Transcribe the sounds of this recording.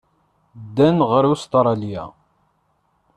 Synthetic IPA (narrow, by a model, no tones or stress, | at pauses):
d̪ːænʁəɾust̪ɾˤɑlijæ̰